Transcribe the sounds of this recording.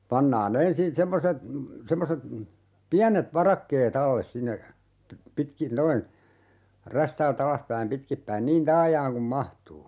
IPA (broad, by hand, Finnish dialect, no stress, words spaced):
pɑnːɑːn ensin semːoset semːoset piænet ʋɑrɑkːeːt ɑlːes sinːe pi pitkin noin ræstæːlt ɑlɑspæim pitkipːæin niːn tɑːjɑːŋ kum mɑhtuː